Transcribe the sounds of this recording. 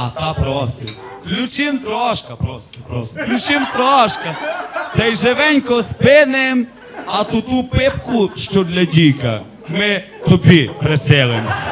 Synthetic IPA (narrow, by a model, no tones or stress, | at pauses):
at̪apɾɔsi | luʃimt̪ɾɔʃkapɾɔsipɾɔsluʃimt̪ɾɔaʃkat̪ajʒɛvɛɲkɔspɛnɛm | at̪ud̪upɛp̚kuʃt̪ɔɾlɛɟika̰ | mɛ | t̪ɔbipɾɛsɛlˠɛm